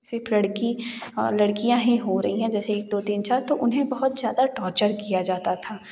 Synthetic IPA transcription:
sɪɾfʰlɐɽkilɐɽkijãɦĩɦoɾɐɦĩɦɛ̃d͡ʒɛːseːk̚d̪oːt̪iːnt͡ʃaːɾt̪oʔʊnɦẽbɐɦʊt̪zjaːd̪aʈɔːɾt͡ʃəɾkijad͡ʒaːt̪at̪ʰaː

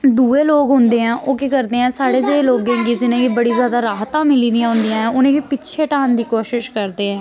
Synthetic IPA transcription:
d̪uːeːloːɡɦʊnd̪eːɦɛ̃ːʔoːkekəɾd̪eːɛ̃ːsaːɽeːd͡ʒeeːloːɡẽːɡiːd͡ʒɪnẽːkiːbəɽiːzjaːd̪aːɾaːɦt̪ãːmɪliːd̪ijãːɦʊ̃nd̪ijãːɦɛ̃ːʊnẽːkiːpɪtːʃʰeːʈaːnd̪iːkoːʃɪʃkəɾd̪eːɛ̃ː

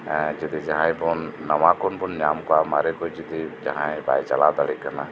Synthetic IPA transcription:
d͡ʒid̪id͡ʒaɦãj̃bɔnːamakɔnbɔnɲamkamaɾɛkojd͡ʒid̪id͡ʒa̰ɦãj̃ba̰jt͡ʃalad̪aɽikana

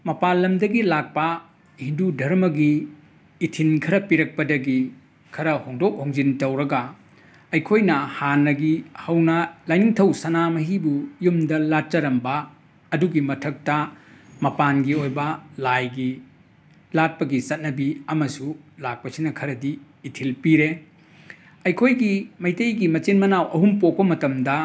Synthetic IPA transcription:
mɐpalːɐmdɐɡilak̚pɐ | hindudʱɐɾmɐɡiː | tʰinkʰɐɾɐpiɾɐk̚pɐdɐɡi | kʰɐɾɐhoŋdok̚hoŋzintɐwɾɐɡɐ | ɐjkʰojnɐhanːɐɡihɐwnɐlajniŋtʰɐwsɐnamɐɦibujumdɐlat̚t͡ʃɐɾɐmbɐː | duɡimɐtʰɐk̚tɐmɐpanɡiojbɐlajɡi | lat̚pɐɡisɐt̚nɐbiɐmɐsulak̚pɐsinɐkʰɐɾɐdiː | tʰilpiɾe | ɐjkʰojɡimɐjtejɡimɐt͡ʃinmɐnawʔɐɦumpok̚pɐmɐtɐmdɐ

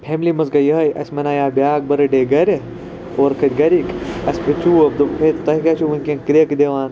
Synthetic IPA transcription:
pʰeːmlimɐzɡɐjɐɦɐjɐ̰sʲmɐnaːjaːbʲjaːk̚bɐɾɐɖeːɡɐɾʲe | oːɾkʰɐt̪ʲɡɐɾikɐsʲpit͡ʃuːɐb̚d̪umkʰeːt̪t̪ɐɦkɐt͡ʃʰuʋɐnkʲẽŋkɾijɐkid̪eːʋaːn

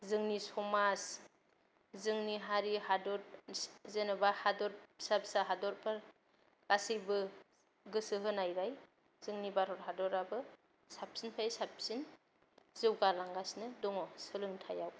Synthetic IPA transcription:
zɯŋnisɔmas | zɯŋniɦaɾihadɔɾzenɯbahadɔɾsap̚saɦadɔɾpʰɯɾ | ɡ̥asɯjbɯ | ɡɯsɯɦɯnajɾaj | z̥ɯŋnibaɾɔɾɦadɔɾabɯ | sap̚sinpʰajsap̚sin | z̥ɯwɡalaŋɡasnɯdɔŋɔsɯlɯŋtʰajaw

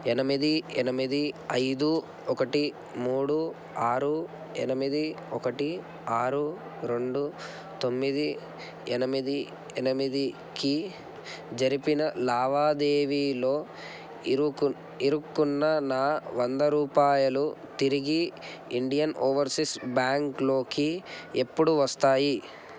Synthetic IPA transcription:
ɛnɐmid̪iɛnɐmid̪iɐjd̪u | ɔkɐʈi | muːɽu | aːɾu | ɛ̰nɐmid̪iɔkɐʈi | aːɾu | ɾe̞ɳɖu | t̪o̞mːid̪i | ɛnɐmid̪i | ɛnɐmid̪i | ki | d͡ʒɐɾipinɐlaːʋaːd̪eːʋiːlo̞ː | iɾukːunːɐnaːʋɐnd̪ɐɾuːpaːjɐlut̪iɾiɡi | iɳɖijɐnoːʋɐɾsiksbjaːŋklo̞ːkiepːuɽuʋɐst̪aːji

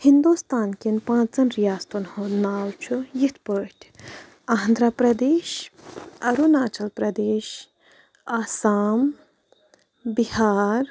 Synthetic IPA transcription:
hind̪oːst̪aːnkinpãːt͡szɐnɾijaːst̪onhonaːlt͡ʃʰujit̪ʰpəːʈʲʰ | aɦnd̪ɾapɾɐd̪eːʃ | ɐɾunaːt͡ʃɐlpɾɐd̪eːʃ | aːsaːm | bihaːɾ

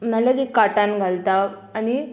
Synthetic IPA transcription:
mənaljad̪ikaʈanɡʱalt̪aː | ni

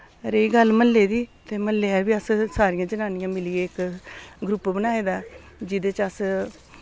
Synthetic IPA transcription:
ɾeiɡəlmənleːd̪iːt̪eːmənleːɛːɾbiːəssaːɾijãːd͡ʒənaːnɪjãːmɪlɪeːɪkɡɾʊpːbənaːeːd̪aː | d͡ʒɪd̪eːt͡ʃəs

